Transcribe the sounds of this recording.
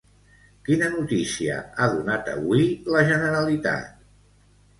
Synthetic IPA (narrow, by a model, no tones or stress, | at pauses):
kinənut̪isiə̰aðunat̪ə̰βwiləʒənəɾəlit̪a̰t̪̚